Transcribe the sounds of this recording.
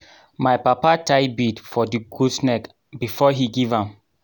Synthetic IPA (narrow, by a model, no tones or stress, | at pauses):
majpapatʰajbidfɔdiɡusnɛk | bifɔɦiɡivãm